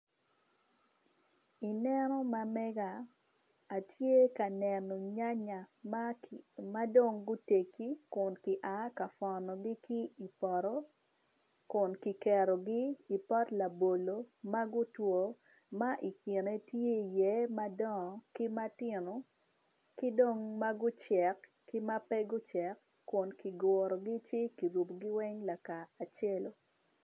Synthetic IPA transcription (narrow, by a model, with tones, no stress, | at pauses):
i˨nɛ˦nɔ˦ma˨mɛ˦ɡaː˨ | tje˦ka˨nɛ˨nɔ˨ɲa˦ɲa˨ | ma˦do˦˨ŋɡʊ˦te˨ki˦kʊ˨nkɪ˨ʔa˨˦ka˨fɔ˨nɔ˨ɡɪ˦ki˦i˨pɔ˨ɾɔ˦ | kʊ˨nki˨kɛ˨ɾɔ˨ɡɪ˦i˨pɔ˦tla˨bo˨lo˨ma˦ɡʊ˦two˨ | ma˦ʔi˨ke˨ne˦tje˦˨jɛ˦ma˦dɔ˦˨kɪ˦ma˦tɪ˦˨nɔ˨ | kɪ˦do˦ŋma˦ɡʊ˦t͡ʃɛ˨k | kɪ˦ma˦pɛ˦ɡʊ˦t͡ʃɛ˨kːʊ˨nki˨ɡɔ˨ɾɔ˨ɡɪ˦t͡ʃɪ˦ki˨ɾu˨pɡɪ˦wɛ˦ŋla˨kaː˨t͡ʃɛ˦lo˨